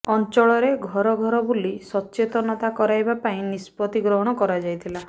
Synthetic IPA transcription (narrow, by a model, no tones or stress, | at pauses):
ɔnt͡ʃɔɭɔɾeɡʱɔɾɔɡʱɔɾɔbulisɔtːt͡ʃet̪ɔnɔt̪akɔɾajbapaĩnispɔt̪iɡɾɔɦɔɽ̃ɔkɔɾad͡ʒajt̪ʰila